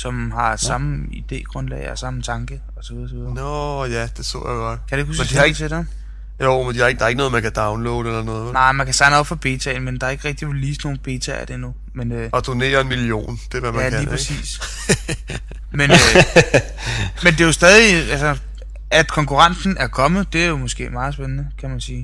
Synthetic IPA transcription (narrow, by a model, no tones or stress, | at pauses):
sɒ̽mhɑ̈sɑ̈məid̥e̝̰ːɡ̥ʁɔ̽nlɛ̰ɪɒsɑ̈m̩t͡sʰɑ̈ŋɡ̥ə | ɒ̽sɒʋiðˠsɒʋiðˠɐɒjæd̥e̝so̰jajɡ̥ɑkʰæ̥ueɡ̥husmed̥it͡sʰeɾ̥e | joːmend̥ihɑe̝ɡ̥d̥ɑ̈ɐeɡ̥nɔːð̩ˠmænkʰæd̥ɑ̈ʊnlɔ̰ʊd̥elɐnɔ̽ːð̩ˠnɑ̈ɪ̰mænkʰæsʰɑ̈ɪnəɒ̽b̥fɒb̥e̝̰ːt͡sʰɛɪnmend̥ɑ̈ɐe̝ɡ̥ʁɛɡ̥̚d̥iʋeliːsno̝ːn̩b̥e̝̰ːt͡sʰɛæ̰d̥enu | menøːɒ̽d̥o̝ne̝̰ːɐe̝nmilio̝̰ːnd̥e̝ʋæmæælæiːpʰɑsḭːs | menø | mend̥e̝jo̝sd̥ɛːð̞ˠiælsɐ | æd̥kʰɒ̽ŋkuʁɑ̈nsn̩æɐkʰɒ̽mð̩ˠd̥e̝æɐjo̝mɔ̽sɡ̥e̝̰ːmɑ̈ːð̞̩ˠsb̥enənəkʰæmænsiː